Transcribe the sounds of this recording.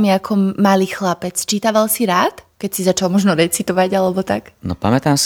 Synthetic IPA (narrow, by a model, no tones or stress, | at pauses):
miakʰɔmaliːxlapɛt͡st͡ʃiːt̪aʋalsiɾaːt̪kɛcsizat͡ʃalmɔʒnɔɾɛt͡sit̪ɔʋaɟalɛbɔt̪aknɔ̰pa̰mɛt̪ams